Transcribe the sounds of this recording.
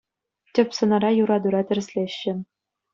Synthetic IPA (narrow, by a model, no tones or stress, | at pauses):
tʲɘ̆pʲsɤ̆nɑɾɑjuɾɑd̪uɾɑt̪ʲɘ̆rʲɘ̆sʲlʲeɕːɘ̆